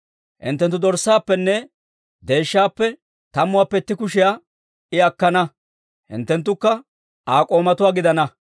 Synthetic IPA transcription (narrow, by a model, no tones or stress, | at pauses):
hɪ̰nt̪ːɛnt̪ːʊd̪ɔɾsːaːpːɛnːɛ | d̪e̞ːʃːaːpːɛ | t̪ɐmːʊwaːpːɛt̪ːɪkʊʃɪjaː | ɪɐkːɐnɐ | hɪ̰nt̪ːɛnt̪̬ːʊkːɐ | aːkʼo̞ːmɐt̪ʊwaːɡɪd̪ɐnɐ